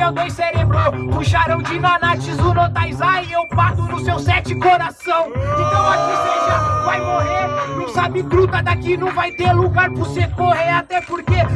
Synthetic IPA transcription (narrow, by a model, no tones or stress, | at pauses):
ewd̪õj̃seɾebɾoʊ̃ʃaɾɐ̃w̃d͡ʒɪnanat͡ʃizʊnot̪ajzaɪewpaɾt̪ʊnʊsewsɛt͡ʃɪkoɾasɐ̃w̃ɪ̃t̪ɐ̃w̃akisẽʒɐvajmoɦeɾnɐ̃sabɪkɾut̪ɐd̪akinɐ̃w̃vajt̪eɾluɡaɾpʊɾsekoheɾat̪ɛpoɾke